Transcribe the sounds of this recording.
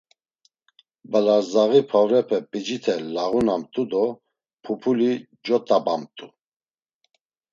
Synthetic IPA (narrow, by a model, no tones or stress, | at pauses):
balaɾzaɣipʰavɾɛpʰɛpʼid͡ʒit̪ʰɛlaʁunamt̪ʼud̪ɔ | pʰupʰuli | d͡ʒɔt̪ʼabamt̪ʼu